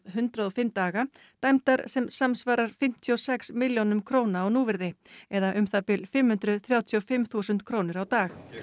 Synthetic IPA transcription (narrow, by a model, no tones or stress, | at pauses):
ðɦʏnt̪ɾaðɔfɪmt̪aːɣa | t̪ajmt̪aɾsɛmsamsvaːɾaɾ̥fɪm̥t̪ʰiɔsɛksmɪljownʏmkʰɾoːwnaːwnuːvɪɾðɪɛðaʔʏmθapɪlfɪmhʏnt̪ɾʏθɾjaːwt̪ʰiɔfɪmθusʏnt̪kʰɾoːwnɪɾawt̪aːx